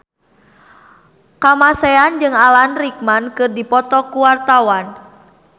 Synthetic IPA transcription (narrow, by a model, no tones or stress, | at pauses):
kamasɛand͡ʒɨŋalanrik̚mankɨrdipɔt̪ɔkuwart̪awan